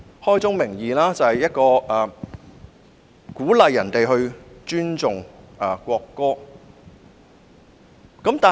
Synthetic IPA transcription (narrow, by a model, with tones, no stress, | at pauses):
hɔː˥jt͡sʊ˥ŋmɪ˨˩ŋjiː˨laː˥t͡sɐ˨˩hɐ˨jɐ˥t̚kɔː˧ʔɐː˨˩ | kuː˨˥lɐ˨jːɐ˨˩nt̪e˨jɦɵ˧ɥt͡ʃyː˥nt͡sʊ˨ŋʔɐː˨kʷɔː˧kːɔː˥ | kɐ˨˥mt̪aː˨